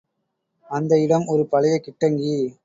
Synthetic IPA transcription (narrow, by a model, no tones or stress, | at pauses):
ɐnd̪ɐɪɽɐmɔɾɯpɐlɪjɐɪkɪʈːɐŋɡi